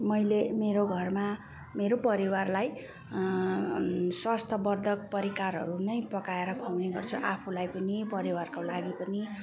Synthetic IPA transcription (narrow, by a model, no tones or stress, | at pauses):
mʌjlemeɾoɡʱʌrma | meɾopʌɾiwarlaj | swast̪ʰʌbʌrd̪ʱʌk̚pʌɾikarɦʌ̰ɾunʌjpʌkaeɾʌpʰawneɡʌrt͡sʰuʔapʰulajpʌnipʌɾiwarkolaɡipʌni